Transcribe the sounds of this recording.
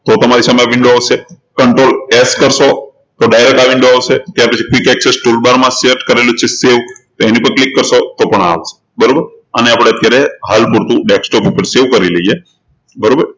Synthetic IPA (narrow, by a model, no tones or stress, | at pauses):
t̪ot̪əmaɾisaməjaʋɪɳɖoaʋʃe | kəɳʈɾoleskəɾʃo | t̪oɖajɾek̚ʈaʋĩɳɖoaʋʃet̪jaɾpət͡ʃʰikikɛksesʈulbaɾmãseɾʈkəɾelut͡ʃʰeseʋt̪oenipəɳklikːəɾʃot̪opəɳa̰ʋt͡ʃʰe̥ | bəɾobəɾ | əneapɽ̃eət̪jaɾeɦalpuɾt̪ũɖeksʈopupəɾseʋkəɾileɦije | bəɾobəɾ